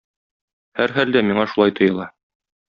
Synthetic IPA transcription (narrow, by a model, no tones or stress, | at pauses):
hæɾɦæld̪æmiɴɑʃulˠɑjt̪ŏjɤ̆lˠɑ